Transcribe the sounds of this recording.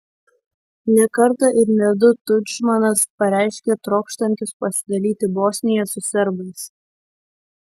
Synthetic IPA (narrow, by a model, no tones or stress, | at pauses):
nʲɛkɐɾt̪ɐʔɪɾnʲɛd̪ʊt̪ʊt͡ʃmɐnɐspɐɾʲæˑɪʃʲkʲet̪ɾɔːkʃt̪ɐnʲt̪ʲʊspɐsʲɪd̪ɐlʲiːt̪ʲɪboːsʲnʲɪjɛsʊsʲɛɾbɐɪs